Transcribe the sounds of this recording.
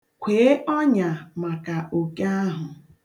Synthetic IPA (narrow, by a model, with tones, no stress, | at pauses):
kʷʰe˨e˦ʔɔ˦ɲa˨ma˨ka˨ʔo˨ke˦a˦ɦʊ˨